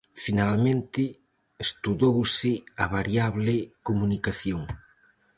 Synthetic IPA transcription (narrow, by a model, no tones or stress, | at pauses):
finalmẽnt̪ɪ | est̪uðowsɪaβaɾjaβlɪkomunikaθjoŋ